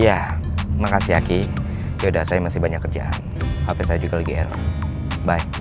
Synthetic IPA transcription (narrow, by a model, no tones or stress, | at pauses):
ja | makasiɦaki | jaudahsajamasɪhbaɲakːərd͡ʒa̰ʔa̰n | hapɛsajad͡ʒuɡaləɡiɛ̰ɾɔ̰ | baɪk̚